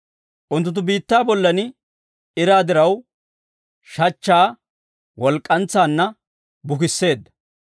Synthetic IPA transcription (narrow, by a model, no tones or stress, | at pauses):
ʔʊnt̪ːʊt̪̬ːʊbiːt̪ːaːbɔlːɐnɪ | ɪɾaːd̪ɪɾɐw | ʃɐt͡ʃːaː | wɔlkʼːɐnt͡sːaːnːɐ | bʊkɪsːe̞ːd̪ːɐ̥